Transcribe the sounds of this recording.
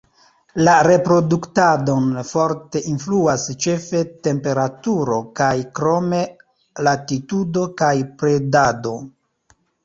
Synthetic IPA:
laɾe̞pɾo̞duktado̞nfo̞ɾte̞ʔinfluast͡ʃe̞fe̞te̞mpe̞ɾatuɾo̞kajkɾo̞me̞ | latitudo̞kajpɾe̞dado̞

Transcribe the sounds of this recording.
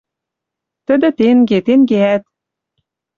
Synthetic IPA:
t̪ɘ̆d̪ɘ̆t̪enɡet̪enɡeæt̪̚

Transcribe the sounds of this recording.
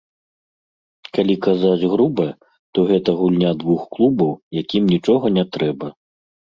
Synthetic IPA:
kalʲikazad͡zʲɣɾubɐ | t̪ɔɣɛt̪ɐɣulʲnʲad̪vuxklˠubɐwjakʲimnʲit͡ʂɔɣɐnʲɛt̪ɾɛbɐ

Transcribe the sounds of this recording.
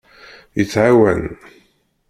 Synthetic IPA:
jət͡sːʕawæ̰n

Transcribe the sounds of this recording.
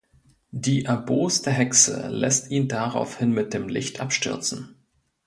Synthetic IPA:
diːʔɛɐboːstəɦɛksə̰lɛ̰stiːndaʁa̰ʊfhɪnmɪt̚d̥eːmlɪ̰çtʔapʃtʏɐt͡sn̩

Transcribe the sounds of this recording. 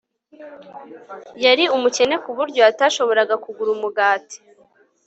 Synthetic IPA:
jaɾiumuce̞ne̞kuβuɾɟo̞ataːʃo̞βo̞ɾaɡakuɡuɾumuɡaːti̥

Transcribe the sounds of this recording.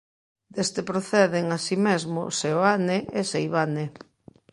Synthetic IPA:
d̪̥est̪epɾoθɛðeŋasimezmʊ̰seoaneesejβane

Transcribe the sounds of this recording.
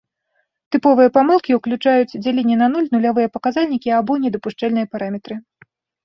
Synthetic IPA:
t̪ɨpɔvɨjɐpamɨlˠkʲiwklʲut͡ʂajut͡sʲd͡zʲalʲinʲɛnɐnulʲnulʲavɨjɐpɐkazalʲnʲikʲiabɔnʲɛd̪ɐpuʂt͡ʂɛlʲnɨjɐpaɾamʲɛt̪ɾɨ

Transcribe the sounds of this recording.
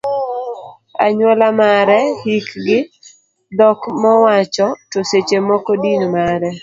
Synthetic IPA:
a̰ɲwɔlamaɾɛhikɡɪ | d̪ɔkmɔwat͡ʃɔtoset͡ʃemɔkɔdinmaɾɛ

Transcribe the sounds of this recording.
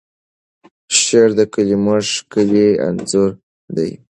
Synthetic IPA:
ʃeɾd̪əkəliməʐkəlia̰nzuɾ | d̪a̰j

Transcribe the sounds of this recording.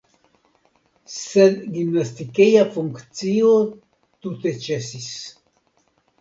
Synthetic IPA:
sed̪ɡimnast̪ikejafuŋkt͡sio | t̪ut̪et͡ʃesis

